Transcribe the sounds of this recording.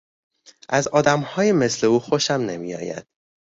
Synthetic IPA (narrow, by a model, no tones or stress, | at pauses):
ʔæzɒːd̪æmhɒːjeme̞sle̞uːxoʃæmne̞mḭjɒ̰ːjæ̰d̪̥